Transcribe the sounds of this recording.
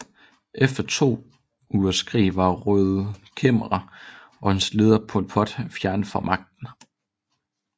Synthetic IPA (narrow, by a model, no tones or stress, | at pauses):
ʔefd̥ɐt͡sʰo̝̰ː | uːɐsɡ̥ʰʁḭːʋɑ̈ʁøːðˠkʰeməʁɑ | ʔɒ̽hensle̝ð̞ˠɐpʰɔlpʰɒ̽d̥fjæɐnfɒmʔɑ̈ɡ̥̚d̥n̩